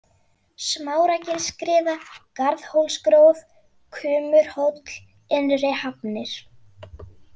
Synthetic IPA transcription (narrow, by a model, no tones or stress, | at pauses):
smaːwɾacɪlskɾɪːvakaɾðhowlskɾowv | kʰʏːmʏɾ̥howt̪l̥ | ɛnrehapnɪɾ̥